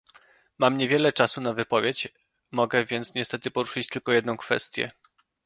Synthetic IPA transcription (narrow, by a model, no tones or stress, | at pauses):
mamɲevʲjɛlɛt͡ʂasunavɘpɔvʲjet͡ɕ | mɔɡɛvʲjɛnt̪sɲɛst̪ɛt̪ɘpɔɾuʂɘt͡ɕt̪ɘlkɔjɛd̪nɔ̃w̃kfɛ̰st̪ʲjɛ̰